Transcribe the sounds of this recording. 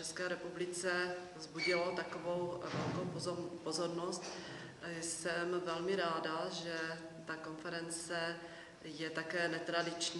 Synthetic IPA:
t͡ʃɛskɛːɾɛpublɪt͡sɛvzbuɟɪlot̪akovo̞wvɛlkowpozo̞ɾnost̪ | sɛmvɛlmɪɾaːdaʒɛ | t̪ako̞nfɛɾɛnt͡sɛ | jɛt̪akɛːnɛt̪ɾadɪt͡ʃɲ

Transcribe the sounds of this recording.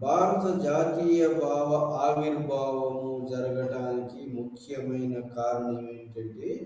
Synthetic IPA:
bʱaːɾɐt̪ɐd͡ʒaːt̪iːjɐbʱaːʋɐʔaːʋiɾbʱaːʋɐmud͡ʒɐɾɐɡɐɽaːnikimukʰjɐmɐjnɐkaːɾɐɳɐmeːɳʈɐɳɖi

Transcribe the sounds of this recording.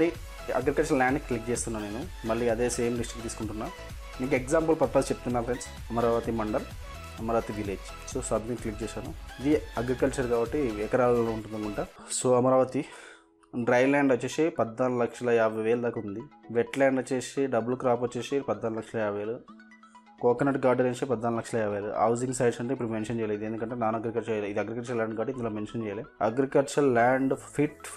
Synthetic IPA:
ɐɾi | ɐ̰ɡɾikɐlt͡ʃɐɾlaːɳɖklik̚t͡ʃeːst̪unːaːneːnu | mɐlːiːɐd̪e̞ːse̞ːmɖisʈikt̪iːskuɳʈunːaː | niŋkekzaːmpulpɐt̪aːst͡ʃep̚t̪unːaːpɾens | ɐmɐɾaːʋɐt̪imɐɳɖɐl | ɐmɐɾaːʋɐt̪iʋileːd͡ʒ | soːsɐbmiklik̚t͡ʃɛːʃaːnuid̪iɐɡɾikɐlt͡ʃɐɾkaːbɐʈːiʋekɐɾaːlloːuɳʈund̪ɐŋkuɳʈasoːɐmɐɾaːʋɐt̪i | ɖɾɐjlaːɳɖɐt͡ʃːeːsepɐd̪ːaːnlɐkʂɐlɐjaːbɐjʋeːlɐd̪aːkɐund̪iʋeʈlaːɳɖɐt͡ʃːeːseɖɐbulkɾaːp̬ɐt͡ʃːeːsepɐd̪ːaːnulɐkʂɐlɐjaːbɐʋeːlu | kɔːkɐnɐʈɡaːɾɖɐɾent͡ʃepɐd̪ːaːnulɐkʂɐlɐjaːʋeːlṵɐ̰wd͡ʒiŋɡsɐjɖsɐɳʈeipːuɽumenʂɐnt͡ʃɛːjaleːd̪end̪ukɐɳʈeːnaːnuɐɡɾikɐlt͡ʃɐjlid̪iɐɡɾikɐlt͡ʃɐlaːɳɖɡaːɖind̪ɐlaːmenʂɐnt͡ʃɛːjaleːɐɡɾikɐlt͡ʃɐɾlaːɳɖpʰiʈ

